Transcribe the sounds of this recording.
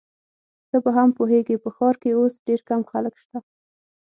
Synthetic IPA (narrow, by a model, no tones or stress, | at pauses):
t̪əbaɦampoɦeɡipəxɑɾkeosɖeɾkamxaləkʃt̪a